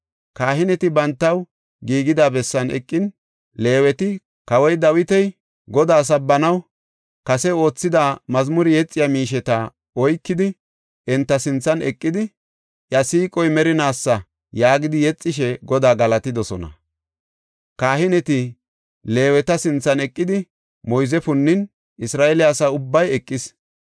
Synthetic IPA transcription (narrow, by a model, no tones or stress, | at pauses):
kaːɦɪnɛt̪ɪbɐnt̪ːɐw | ɡiːɡɪd̪aːbɛsːɐnɛ̰kʼːɪn | le̞ːwɛt̪ɪ | kɐwɔjd̪ɐwɪt̪ɛj | ɡɔd̪aːs̬ɐbːɐnɐw | kɐsɛo̞ːt͡sːɪd̪amɐzmʊɾɪjɛt͡sʼːɪjamiːʃ̬ɛt̪ɐ | ɔjkːɪd̪ɪ | ɛnt̪ːɐsɪnt͡sːɐnɛkʼːɪd̪ɪ | ʔjɐsiːkʼɔjmɛɾɪnaːsːɐ | jaːɡɪd̪ɪjɛt͡sʼːɪʃ̬ɛɡɔd̪aːɡɐlɐt̪ɪd̪ɔsɔnɐ̰ | kaːhɪnɛt̪ɪ | le̞ːwɛt̪ɐsɪnt͡sːɐnɛkʼːɪd̪ɪ | mɔjzɛfʊnːɪn | ɪsɾaːʔɛlɪɐsaʊbːɐjɛkʼːɪs